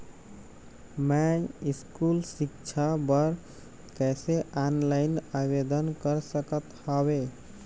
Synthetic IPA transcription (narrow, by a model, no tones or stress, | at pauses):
mɛiskulsik̚t͡ʃʰabəɾ | kɛseanlajnabed̪ənkəɾsəkət̪hɔbe